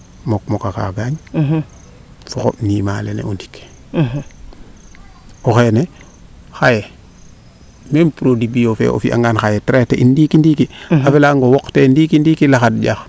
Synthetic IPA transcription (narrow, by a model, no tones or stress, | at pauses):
mok̚mokaka̰ɡaːɲ | suxoʔnima̰ːlḛnḛundi̥k | ɔxene | xaje | mempuɾodibijofɛ̰ʔo̰fḭʔa̰ŋɡaːnxajɛtɾetɛʔindikindikiafelaŋɡowɔktɛndikindikilaxadɟax